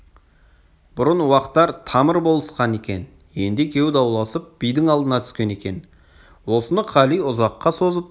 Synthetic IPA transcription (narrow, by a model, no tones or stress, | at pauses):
b̥ʊɾənwɑqət̪ːɑɾt̪ʰɑməɾbo̞lˠəsqɑne̞kʲe̞̰n | je̞nd̪ɪkʲʰe̞wd̪ɑwlˠɑsəp̚b̥ijd̪ɪŋɑlˠd̪ənɑt̪ʰʏ̥skʲe̞ne̞kʲe̞n | wosənəqʰɑlijʊzɑqːɑso̞zəp̚